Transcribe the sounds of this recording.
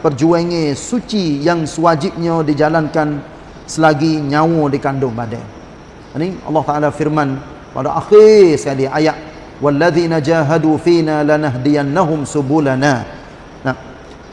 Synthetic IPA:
pərd͡ʒuaŋẽsut͡ʃijaŋsəwad͡ʒɪp̚ɲə̃did͡ʒalankan | səlaɡiɲawɔdikandʊŋbada̰ | niʔɑ̰lːɑht̪aʔalafirman | pa̰daʔaxisə̥kaliajaʔ | walːaðinad͡ʒaːɦadufinalanaɦdianːaɦʊmsubulana | nam

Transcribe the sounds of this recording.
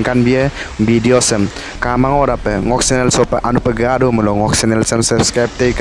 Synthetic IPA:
ŋkanbiɐbʱidiɔsɯm | kamaŋɔɾapɯŋɔksenelsɔpɐʔanupɐɡadumulɔŋɔksenelsəmsəpskɾajp̚tejk

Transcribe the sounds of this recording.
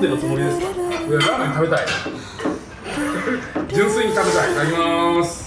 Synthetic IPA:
d̪enot͡sɨmoɾʲid̪e̞sɨ̥kaoadaaɲt̪abe̞t̪ai | d͡ʑɨ̃ɰ̃sɨiɲ̟it̪abe̞t̪ait̪akʲimas

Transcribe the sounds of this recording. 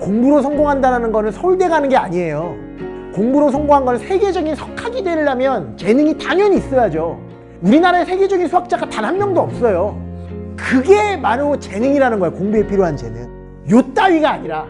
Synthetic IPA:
koŋbuɾosʰʌŋɡoŋɦandaɾanɯnɡʌnɯnsʰʌuɭde̞ɡanɯnɡe̞aɲie̞jo | koŋbuɾos̬ʰʌŋɡoŋɦanɡʌnɯnsʰe̞ɡe̞d͡ʑʌɡinsʰʌkʰaɡidwe̞ɭːamjʌnt͡ɕe̞nɯŋitaɲjʌɲis͈ʌjad͡ʑo | uɾinaɾaesʰe̞ɡe̞d͡ʑʌɡinsʰuwak̚t͡ɕ͈aɡatanɦanmjʌŋdoʌp̚s͈ʌjo | kɯɡe̞maɾot͡ɕe̞nɯŋiɾanɯnɡʌjokoŋbue̞pʰiɾjoɦand͡ʑe̞̰nɯŋ | jot͈aɥiɡaːɲiɾa

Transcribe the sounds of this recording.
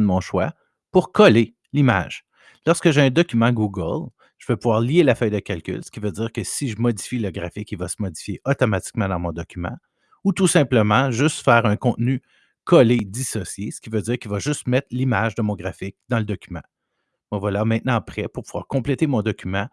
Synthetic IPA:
mɔ̃ʃwa̰ | puʁkʰɔle | lima̰ʒ̥ | lɔʁskəʒeɛ̃d̪ɔkʲymɑ̃ɡuɡə̰l | ʒ̥əvøpuvwaːʁlielafœjd̪əkʲalkʲʏ̰lsə̥kʲivød͡ziːʁkəsiʒəmɔd̪d͡zifiləɡʁafɪkivasəmɔd̪d͡zi̥fjeʔɔt̪ɔmat͡si̥k̚mɑ̃d̪ɑ̃mɔ̃d̪ɔkʲymɑ̰̃ | ut̪usɛ̃pləmɑ̃ʒʏst̪fɛːʁœ̃kɔ̃t̪ny | kɔled̪isɔsjesə̥kʲivød͡z̪iːʁkʲilvaʒʏst̪mɛt̪χlimaʒd̪əmɔ̃ɡʁafɪk̚d̪ɑ̃ləd̪ɔkʲymã̰ | mavwalamɛ̃t̪̚nɑ̃pχɛpʊʁpuvwa̰ːʁkɔ̃plɛt̪emɔ̃d̪ɔkʲymɑ̃

